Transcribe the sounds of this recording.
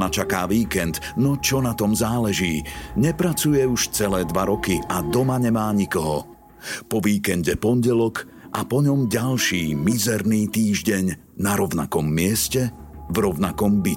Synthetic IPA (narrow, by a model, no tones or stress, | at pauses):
nat͡ʃakaːʋiːkɛnd̪ | nɔt͡ʃɔnat̪ɔmzaːlɛʒiːɲɛpɾat͡sujɛuʃt͡sɛlɛːd̪ʋaɾɔkiʔad̪ɔmaɲɛmaːɲikɔɦɔ | pɔʋiːkɛnɟɛpɔnɟɛlɔk | ʔapɔɲɔmɟalʃiːmizɛɾniːt̪iːʒɟɛɲ | naɾɔʊna̰kɔmːɪɛscɛvɾɔʊnakɔmbi